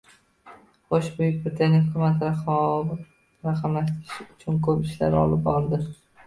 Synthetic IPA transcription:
χoʃbʊjɪk̚ʲbɪɾɪt̪ʰanijhʊkʲʰʊmat̪ʰɾaɒv | ɾaqʰamlaʃt̪ɪɾɪʃɪʊt͡ʃʰʊnkʰɵpɪʃla̰ɾɒ̰lˠɪp̚bɒɾd̪ɪ

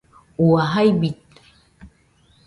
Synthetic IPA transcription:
uaɦajbit̪̚

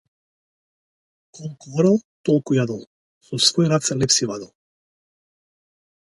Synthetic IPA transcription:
kɔlˠkuvɾalˠt̪ɔlˠkujad̪ɔlˠ | sɔsvɔjɾat̪sɛlɛpsivad̪ɔlˠ

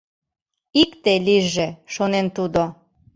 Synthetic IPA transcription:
ikt̪eliʒeʃonent̪ud̪o

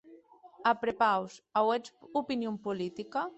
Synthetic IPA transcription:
apɾepawsawɛt͡supinjompulit̪ika

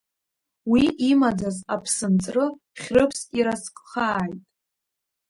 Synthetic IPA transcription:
wiʔimad͡zazapʰsɨnt͡sʼrɨ | χʲrɨpʰsʼiɾaskʼχaːjtʼ

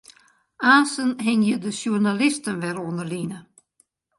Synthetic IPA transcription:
aːsənɦɪŋjədəsjurnalɪstənʋɛɾoəndərlinə

